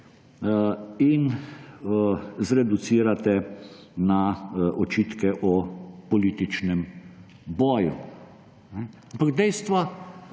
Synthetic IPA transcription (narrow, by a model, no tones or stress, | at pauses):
in | zɾɛd̪ut̪siːɾat̪ɛ | naʔɔt͡ʃiːt̪kɛʔɔpɔliːt̪it͡ʃnɛm | bɔːjṵ | nɛampaɡd̪ɛjst̪ʋa